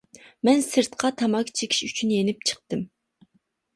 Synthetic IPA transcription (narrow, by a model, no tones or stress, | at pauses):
mɛnsɨɾt̪qʰɑt̪ʰɑmɑkʰʲt͡ʃʰekʲʰi̥ʃyt͡ʃʰynjenɪp̚t͡ʃʰə̥q̚t̪ɨm